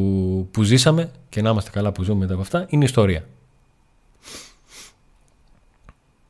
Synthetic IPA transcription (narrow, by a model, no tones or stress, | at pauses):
puzisɐme̞ce̞nɐimɐst̪e̞kɐlɐpuzumemet̪ɐːpɐft̪ɐʔineist̪o̞ɾiɐ